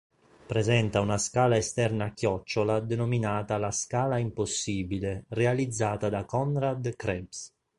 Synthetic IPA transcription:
pɾezɛnt̪aunaskaːlaest̪ɛrnaːkːjɔt͡ʃːolad̪enominaːt̪alaskaːlaimposːiːbilerealid̪zːaːt̪ad̪akɔnɾad̪kɾɛbs

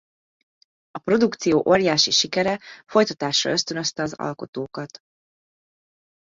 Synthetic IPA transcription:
ɒpro̞d̪ukt̪sijoːʔo̞rjaːʃiʃikɛɾɛfo̞jt̪ɒt̪aːʃrɒ̰ø̞st̪ø̞nø̞st̪ɛɒzɒ̰lko̞t̪oːkɒt̪

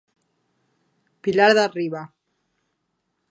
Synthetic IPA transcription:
pilaɾðariβa

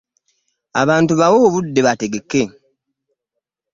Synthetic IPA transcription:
a̰βaːntuβawoːβudːe̞βate̞ɡe̞kːe̞

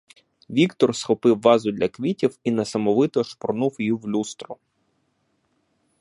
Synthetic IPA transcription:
ʋʲikt̪ɔrsxɔpɪwːɑzʊd̪ʲlʲɐkʋʲitʲiwinɐsɐmɔʋɪt̪ɔʃpɔrnuwjijiwlʲust̪ɾɔ

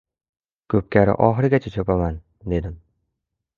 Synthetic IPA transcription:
kʰɵp̚kʲaɾɪ̰ʔɒχɨɾɪɡʲat͡ʃʰat͡ʃʰɵpaman | d̪e̞d̪ɪm

